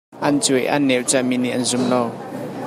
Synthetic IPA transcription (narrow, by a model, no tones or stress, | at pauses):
ʔɐnt͡sujʔa̰nːɛwt͡saminiʔɐnzʊmlɔw